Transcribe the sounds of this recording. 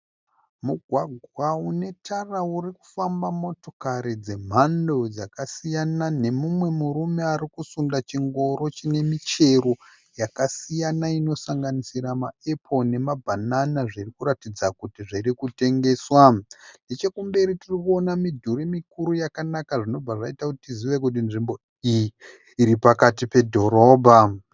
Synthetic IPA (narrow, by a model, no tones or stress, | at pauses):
muɡʱwaɡʱwaune̞tʰarauriku̥fambamo̞to̞kaɾid͡ze̞m̤ando̞d͡zakasijanane̞mumwe̞muɾume̞aɾikusundat͡ʃiŋɡo̞ɾo̞t͡ʃine̞mit͡ʃe̞ɾo | jakasijanaino̞saŋɡanisiɾamae̞pʰo̞ne̞mabʱananaʐirikuɾatid͡zakutiʐiɾikute̞ŋɡe̞ːswane̞t͡ʃe̞kumbe̞ɾitirikuo̞namidʱuɾimikuɾujakanakaʐino̞b͡vaʐaitakutitiziʋe̞kut̬inʐimbo̞ | ijiː | ɾipakatipe̞dʱo̞ɾo̞ːbʱa